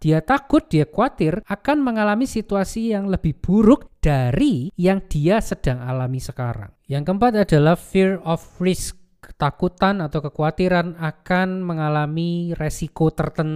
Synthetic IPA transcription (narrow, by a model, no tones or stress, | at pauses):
d̥iat̪akʊt̪̚d̥iakuat̪ɪrakanməŋalamisit̪uasijaŋləb̥ɪhb̥uɾʊk̚d̥aɾijaŋd̥iasəd̥a̤ŋalamisəka̰ɾa̰ŋjaŋkəmpat̪adalahfirɔfrɪskː | ə̥t̪akut̪anat̪awkəkuat̪iɾanakanməŋalamiresikot̪ərt̪ən